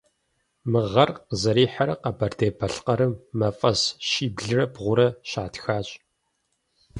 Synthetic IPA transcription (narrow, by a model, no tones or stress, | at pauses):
mɨʁɐrqəzɐɾiːħaɾɐqɐbɐrdeːbɐɬqɐɾɨmːɐfʼɐsʃiːbɮɨrɐbʁʷʊɾɐɕaːtxaːɕʼ